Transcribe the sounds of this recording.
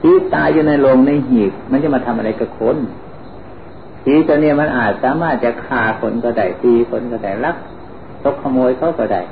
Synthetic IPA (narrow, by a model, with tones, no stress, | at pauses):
tʰiː˧˦t̪aː˧juː˧na˧˨jlo˧ŋna˧˨jɦiː˨˩k̚ma˧˥˨nt͡ɕa˧˨maː˧˥t̪ʰa˧mʔa˧ɾa˧jka˧˩kʰo˧˥n | tʰiː˨˧˦t̪u˧niː˧˩˨ma˧˥˨nʔaː˨˩t̪̚saː˨˦maː˧˥˩t̪̚t͡ɕa˧˩kʰaː˧˩kʰo˨˧˦nkɔ˧˩da˧˩jt̪iː˧kʰo˧˦nkɔː˧˩da˧˩jla˧˥˩k̚ | t̪o˧˥kʰːa˧moː˧jkʰa˧˥˩wkɔː˧˩da̰˧˩j